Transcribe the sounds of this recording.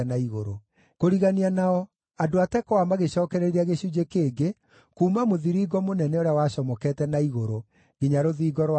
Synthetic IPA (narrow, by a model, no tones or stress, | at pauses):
naiɣoɾo | koɾiɣanianaɔ | adoatɛkɔwamaɣeɕɔːkɛɾeiɾiaɣeɕud͡ʑekeːɡe | kuːmamoðiɾiːɡɔmonɛnɛoɾeawaɕɔmɔkɛtɛnaiɣoɾo | ɣ̥iɲaɾoðiːɡɔɾw